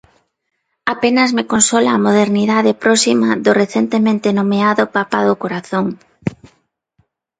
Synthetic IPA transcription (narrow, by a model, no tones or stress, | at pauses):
apenɐzmekonsɔlaːmoðeɾniðaðepɾɔsimaðʊreθent̪emẽnt̪enomeaðʊpapaðʊkoɾaθoŋ